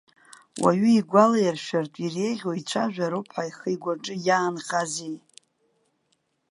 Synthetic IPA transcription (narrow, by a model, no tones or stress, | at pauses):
wa̰ɥʏiɡʷalajarʃᶣartʼire̞jʁʲoit͡ɕʷʰaʒᶣaɾupʰħajχəjɡʷaʈ͡ʂʼɨjaːnχazej